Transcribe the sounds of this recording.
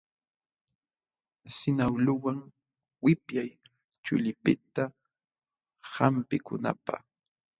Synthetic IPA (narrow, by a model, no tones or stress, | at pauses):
sɪnawlʊwaŋ | wɪpjaj | t͡ʃʊ̰ʎɪpɪt̪a | hampɪkʊna̰pa̰